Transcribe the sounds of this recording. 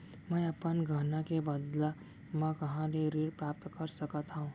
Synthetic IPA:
mɛ̃ɐpənɡʱaːnakebɐd̪la | mɛ̃kɐɦãleɾeːɾpɾaːp̚t̪kɐɾsɐkat̪ʰaũː

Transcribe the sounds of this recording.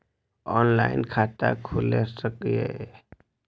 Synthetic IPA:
ɔnla̰ɪnkʰat̪a̰kʰʊlesəkje

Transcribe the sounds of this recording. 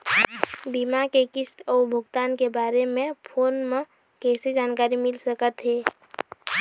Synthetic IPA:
bimakekɪst̪ɔːɾbʱʊɡt̪aːnkebaːɾemẽpʰoːnmẽ | kɛːsed͡ʒaːnkaːɾimɪlsəkət̪ɦɛː

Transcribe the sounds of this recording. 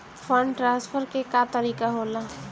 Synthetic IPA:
fʰəɳɖʈɾãspʰəɾkekat̪əɾiːkaɦola

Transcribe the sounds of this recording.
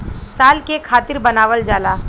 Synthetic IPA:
saːlkekʰaːt̪ɪɾbɐnaːʋəld͡ʒaːlaː

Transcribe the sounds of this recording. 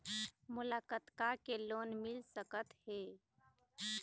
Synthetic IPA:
mʊlakət̪kakeloːnmɪlsəkət̪he

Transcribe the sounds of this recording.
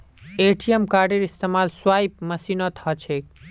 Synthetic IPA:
eʈʰijemkaɖiɾist̪emalswajp̚məsinot̪ʰhɔt͡ʃʰek

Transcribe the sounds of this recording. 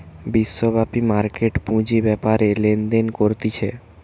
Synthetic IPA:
biʃːobʱapimaɾkeʈpũd͡ʑibɛpaɾelend̪enkoɾt̪it͡ɕʰe

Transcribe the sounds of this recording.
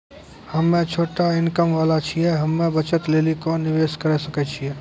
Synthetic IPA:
hɐmːẽt͡ʃʰoːʈaɪnkəmʋaːlat͡ʃʰiɛɦɐmːẽbət͡ʃət̪leːlikonɪʋeːʃkəɾɛsəkɛt͡ʃʰiɦɛː

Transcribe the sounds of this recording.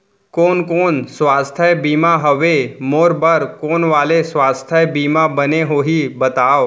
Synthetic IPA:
koːnkoːnsʋaːst̪ʰəjbiːmaɦəʋemoːɾbəɾkoːnʋaːlesʋaːst̪ʰəjbiːmabəneɦoːɦibət̪aːo

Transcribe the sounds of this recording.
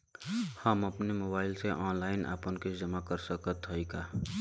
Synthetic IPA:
həmɐpnemoːbaːɪlseʔɔːnlaːɪnʔa̰ːpənked͡ʒɐmakəɾsəkət̪ɦəikaː

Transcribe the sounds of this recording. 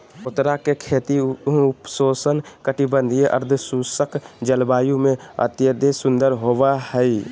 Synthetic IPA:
ʊt̪ɾakekʰeːt̪iʊpsoːsənkəʈibə̃nd̪ʱieʔə̰ɾd̪ʰʱsusəkd͡ʒəlbaːjũmẽə̰t̪jəd̪esʊ̃nd̪əɾɦoʋahɛi

